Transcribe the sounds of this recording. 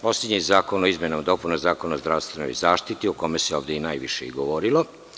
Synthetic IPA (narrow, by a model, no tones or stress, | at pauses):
poslʲed̪ɲizaːkonoizmjenomd̪o̞punozaːkonaozd̪ɾaʋst̪ʋeno̰jzaːʃt̪it̪iokomeseo̞ːʋd̪einaːjʋiʃeiɡoʋoɾilo